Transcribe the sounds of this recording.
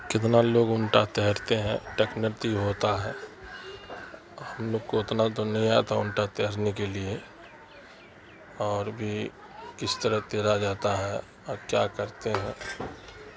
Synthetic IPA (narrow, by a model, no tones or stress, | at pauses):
kɪt̪naloːɡʊɳʈat̪ɛɦɾt̪eɦɛ̰̃ʈeknəɾt̪iɦoːt̪aɦɛ | həmloːɡ̚koʊt̪nat̪onəɦĩaːt̪aʊɳʈat̪ɛɦɾnekelie | ɔːɾbʱi | kɪst̪əɾəɦt̪eːɾad͡ʒaːt̪aɦɛ | ɔːɾkjakəɾt̪eɦɛ̃ː